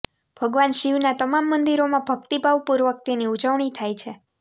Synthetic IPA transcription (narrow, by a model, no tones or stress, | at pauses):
bʱəɡʋanʃiʋnat̪əmamːənd̪iɾomãbʱəkt̪ibʱaʋpuɾʋək̚t̪iniud͡ʒəʋɳ̃it̪ʰajt͡ʃʰe